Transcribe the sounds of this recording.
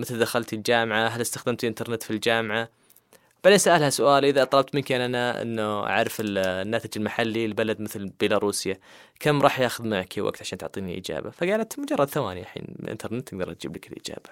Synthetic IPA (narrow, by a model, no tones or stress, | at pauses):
mɪθld̪axalt̪ild͡ʒaːmʕaɦalɪst̪axd̪amt̪ʔɪnt̪ɑɾˤnɪt̪fild͡ʒaːmʕa | baʕd̪eːnsaʔalhasʊʔaːlʔɪðaʔɑt̪ˤlɑb̚t̪mɪnkeːnʔanaʔɪ̰nːua̰ʕɾˤɑfɪlnːaːt̪ɪd͡ʒɪlmaħalːilbalad̪mɪθlbɪlaɾˤuːsjakʰamːɾˤɑːħjaːxʊðmɪnakʰːiwa̰ɡ̚t̪ʕaʃaːnt̪ʊʕt̪ˤiːnḭʔɪ̰d͡ʒa̰ːba̰faɡaːlat̪mʊd͡ʒɑrˤːɑd̪θawa̰ːniʔaħḭːnʔɪ̰nt̪ʰɑɾˤnɪt̪ːʔɪɡ̚d̪ɑɾʔat̪d͡ʒḭblɪkɪlʔɪ̰d͡ʒa̰ːb̥ḁ